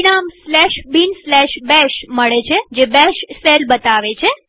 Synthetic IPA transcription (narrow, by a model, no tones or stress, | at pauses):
ɳamslɛʃbinslɛʃbɛʃməɭet͡ʃʰed͡ʒebɛʃselbət̪aʋet͡ʃʰe